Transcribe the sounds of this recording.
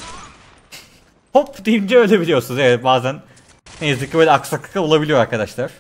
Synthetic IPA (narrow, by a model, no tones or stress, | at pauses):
hopd̪ejimd͡ʒɛølʲe̞bilʲijo̞ɾsunuzevɛbaːzænː | ejizicʰʲːibølʲɛaksakɯ̥kɯo̞lˠabilʲijo̞ɾaɾkʰad̪aʃlˠaɾ̥